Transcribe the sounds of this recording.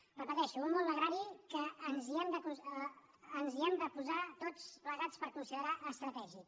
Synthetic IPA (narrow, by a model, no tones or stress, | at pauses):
rəpət̪ɛʃuummolˠd̪əɣɾaɾikəːnziɛmd̪əkuː | nziɛmd̪əpuzat̪ot͡spləɣat͡spəɾkunsiðəɾaəst̪ɾət̪ɛʒi